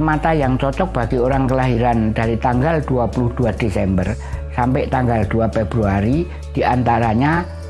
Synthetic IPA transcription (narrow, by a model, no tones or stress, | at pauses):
mat̪ajaŋt͡ʃɔt͡ʃɔk̚b̥a̤ɡ̥ioɾaŋkəlaɦiɾand̪̥aɾit̪aŋɡald̪̥uapulʊhd̪̥uad̪̥esɛmbərsampɪʔt̪aŋɡald̪̥uafeb̥ɾuaɾi | d̪̥i̤ʔant̪aɾaɲa